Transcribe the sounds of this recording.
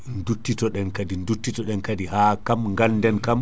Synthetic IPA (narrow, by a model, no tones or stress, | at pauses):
ndutːitɔɗɛnkadindutːitɔɗɛnkadihaːkamŋɡaldɛnkam